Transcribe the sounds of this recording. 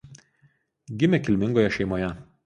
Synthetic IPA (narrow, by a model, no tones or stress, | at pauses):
ɡʲɪmʲekʲɪlʲmʲɪŋɡoːjɛʃʲɛɪmoːjɛ